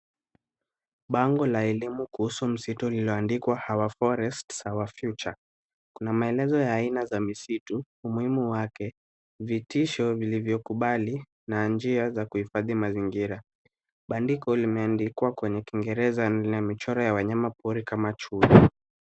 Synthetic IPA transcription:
ɓaŋɡɔlaɛlimukuhusum̩situliliɔandikwahawafɔɾɛstsawafjut͡ʃa | kunamaɛlɛzɔjaːinazamisituː | muhimuwakɛ | vitiʃɔvilivjɔkuɓali | nand͡ʒiazakuhifaðimaziŋɡiɾa | ɓandikɔlimɛandikwakwɛɲɛkiŋɡɛɾɛzanamit͡ʃɔɾɔjawaɲamapʰuɾikamat͡ʃui

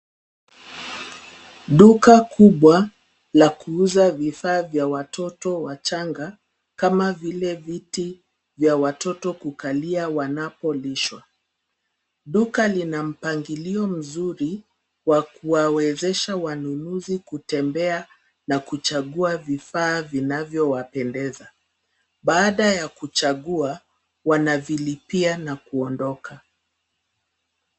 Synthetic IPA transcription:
ɗukakʰuɓwa | lakuuzavifaːvjawatʰɔtɔwat͡ʃaŋɡa | kamavilɛviti | vjawatɔtɔkukaliawanapɔliʃwa | ɗukalinam̩paŋɡiliɔm̩zuɾi | wakuwawɛzɛʃawanunuzikutɛmbɛa | nakut͡ʃaɠuavifaːvinavjɔwapɛndɛza | ɓaːɗajakut͡ʃaɠua | wanavilipianakuɔndɔkʰa

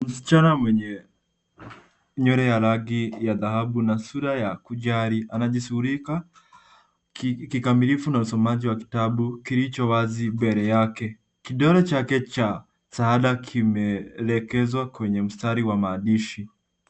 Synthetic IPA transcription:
m̩si̥t͡ʃanamwɛɲɛ | ɲɔɾɛjalaɡijaðahaɓunasuɾajakuʄaɾiʔanaʄisuhuɾika | kikamilifunausɔmaʄiwaki̥taɓukilit͡ʃɔwazibɛɾɛjakɛ | kiɗɔɾɔt͡ʃakɛt͡ʃa | saaɗakʰimɛlɛkɛzwakwɛɲɛm̩staɾiwamaːɗiʃi

